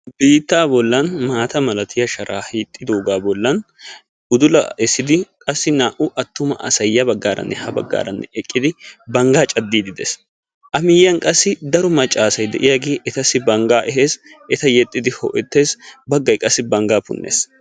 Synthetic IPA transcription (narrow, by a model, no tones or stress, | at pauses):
biːt̪ːaːbɔlːɐnmaːt̪ɐmɐlɐt̪ɪjɐʃɐɾʔaːhiːt̪ʼːɪd̪oːɡaːbɔlːɐn | ʊd̪ʊlɐɛsːɪd̪ɪkʼɐsːɪnaːʔʊʔɐt̪ːʊmɐ̰ʔɐ̰sɐjːɐbɐɡːaːɾɐ̰nːɛhɐbɐ̰ɡːa̰ːɾɐnːɛʔɛkʼːɪd̪ɪbɐŋɡaːt͡ʃʼɐd̪ːiːd̪ɪd̪ɛs | ʔɐmɪjɐŋkʼɐsːɪd̪ɐɾʊmɐt͡ʃʼːaːsɐjd̪ɛ̰ʔɪjɐɡeːʔɛt̪ɐsːɪbɐŋɡaːʔɛɦeːsɛt̪ɐjɛt̪ʼːɪd̪ɪhɔ̰ʔɛt̪ːe̞ːsbɐɡːɐjkʼɐsːɪbɐŋɡaːpʊ̰nːḛːs